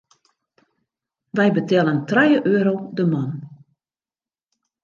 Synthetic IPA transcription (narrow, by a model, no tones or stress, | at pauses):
ʋɛjbətɛləntrɛjəʔøːɾowdəmɔn